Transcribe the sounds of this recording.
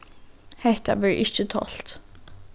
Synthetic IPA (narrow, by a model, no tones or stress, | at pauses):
hɛht̪a̰ʋɛɹʔɪt͡ʃət̪ʰɔ̰l̥t̪